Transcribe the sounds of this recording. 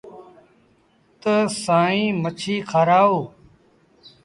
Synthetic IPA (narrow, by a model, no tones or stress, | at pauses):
t̪əsaːĩːmət͡ʃʰiːkʰaːɾaːoː